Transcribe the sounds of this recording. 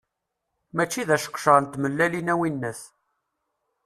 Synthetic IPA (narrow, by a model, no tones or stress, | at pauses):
mæt͡ʃːiðæʃə̥qʃəʁnt̪ːməlːælinæwinːəs